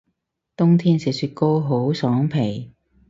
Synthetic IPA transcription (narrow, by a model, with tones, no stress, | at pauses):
t̪ʊ˥ŋt̪ʰiː˥nsi˨˩syː˧t̚ko˥wɦo˨˥wsɔː˨˥ŋpʰe˨˩j